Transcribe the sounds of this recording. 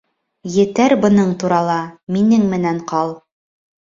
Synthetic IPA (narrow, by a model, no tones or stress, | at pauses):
jɘ̆t̪æɾbɤ̆nɤɴt̪uɾɑlˠɑminɘŋmɘ̆næɴqɑlˠ